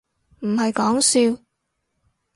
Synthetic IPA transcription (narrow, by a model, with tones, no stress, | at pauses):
m̩˨˩hɐ˨jkɔː˨˥ŋsiː˧w